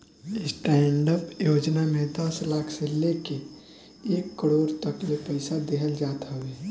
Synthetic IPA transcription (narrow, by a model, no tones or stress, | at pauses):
ɪsʈɛːɳɖəpjoːd͡ʒnamẽd̪əslaːkʰseleke | eːkːəɽoːɾt̪ɐklepɛɪsad̪eɦəld͡ʒaːt̪aɦoʋeː